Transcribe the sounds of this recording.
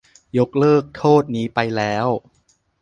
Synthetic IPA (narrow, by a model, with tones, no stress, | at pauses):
jo˦˥k̚lɤː˥˩k̚t̪ʰoː˥˩t̪̚niː˦˥pa˧jlɛː˦˥w